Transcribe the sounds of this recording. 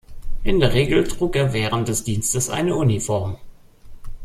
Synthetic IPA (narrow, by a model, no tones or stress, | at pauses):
ʔɪndeːɐʁ̞eːɡl̩tʁ̥uːkeːɐvɛːʁ̞ənt̚d̥ɛsd̥iːnstəsʔa̰ɪnəʔunifɔɐm